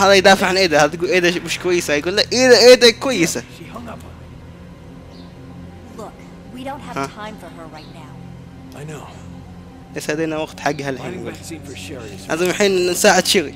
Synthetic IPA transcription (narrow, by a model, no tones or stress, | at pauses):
haːðajd̪aːfɪʕanʔeːd̪ahaːðt̪ɡulʔeːd̪amɪʃkwajːɪsajɡuːlːaʔɪd̪aʔeːd̪akwajːɪsa | lʊk | wiɾõʊ̃nthəhaãɪ̃mfə˞ə˞ɹaɪtⁿnaʊ | no | ʔeshad̪eːnawɑɡt̪ħaɡːhalhiːnɡṵːl | ʔa̰zamħiːnsaːʕɪd̪ʃiɣi